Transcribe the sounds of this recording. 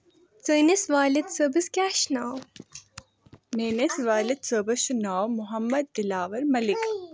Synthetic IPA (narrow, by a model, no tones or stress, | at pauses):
t͡səjnesʋaːlid̪səbɨskʲaːʃnaːw | meːnesʋaːlɪd̪səːbɐʃunaːwmʊɦɐmːɐd̪̚ːɪlaːʋɐɾmɐlɪk